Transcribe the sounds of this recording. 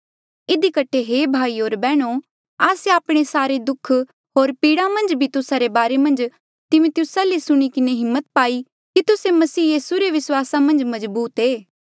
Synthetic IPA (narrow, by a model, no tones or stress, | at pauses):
ɪd̪ikɐʈʰeɦeːbʱaːioːɾbɛːɽ̃o | aːseaːpɽ̃esaːɾed̪ʊkʰ | ɦoːɾpiːɽamɐ̃nd͡ʒbʱit̪ʊsaɾebaːɾemɐ̃nd͡ʒ | t̪ɪmʊt̪ɪʊsalisʊɽ̃ikɪneɦɪmːət̪̚paːi | kit̪ʊsemɐsiːjiːsuɾeʋɪswaːsamɐ̃nd͡ʒmɐzbuːt̪eː